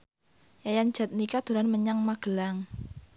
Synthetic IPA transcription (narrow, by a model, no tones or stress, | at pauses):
jajan̥ʒ̥a̤t̪̚nikad̪̥o̤ɾanməɲaŋmaɡ̥əlaŋ